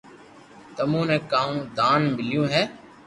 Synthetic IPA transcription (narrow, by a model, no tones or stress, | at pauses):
t̪əmõːnɛ̃ːkaːũːd̪aːnmɪljõːɦɛː